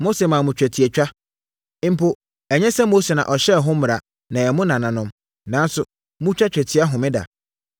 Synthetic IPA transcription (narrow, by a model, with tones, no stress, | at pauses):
mo˦se˨mã˨mʊ̃˨t͡ɕᶣæ˨tʰi˨e˨t͡ɕᶣa˦ | m̩˦pʰo˦ | ɛ˨ɲɛ̃˦sɛ˦mo˦se˨nã̰˨ʔɔ˨ɕɛ˦˨ɦʊ̃˦mɪ̃˨ɾa˨ | nã˨ɛ˨mʊ̃˦nã˨nã˨nʊ̃˦m | nã˨˦n˦sʊ˨ | mʊ̃˦t͡ɕᶣa˦t͡ɕᶣæ˨tʰi˨a˦ɦʊ̃˨mɪ̃˦da̰˨